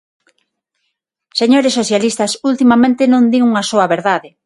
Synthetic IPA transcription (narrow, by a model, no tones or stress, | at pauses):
seɲoɾesːoθjalist̪ɐsult̪imamẽnt̪ɪnõnd̪iŋuŋasoɐβeɾðaðɪ